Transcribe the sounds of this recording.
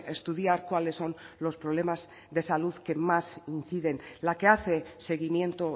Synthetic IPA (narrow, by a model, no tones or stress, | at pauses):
est̪uð̞jaɾkwale̞sːo̞nlo̞spɾole̞maz | ðesaluðke̞masinθiðe̞nlake̞aθe̞se̞ɣ̞imje̞nt̪o